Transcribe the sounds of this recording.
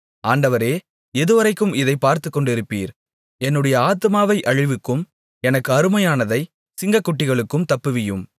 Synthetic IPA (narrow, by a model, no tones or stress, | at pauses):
aːɳɖɐʋɐɾeː | ɛðɯʋɐɾɐɪkːɯmɪðɐɪpːaːɾt̪ɯkːɔɳɖɪɾɯpːḭːɾ | ɛnːɯɽɐjɐaːt̪ɯmaːʋɐɪʔɐɻɪʋɯkːɯm | ɛnɐkːɯɐɾɯmɐjaːnɐðɐɪ | sɪŋɡɐkːʊʈːɪɣɐɭɯkːɯmt̪ɐpːɯʋɪjɯm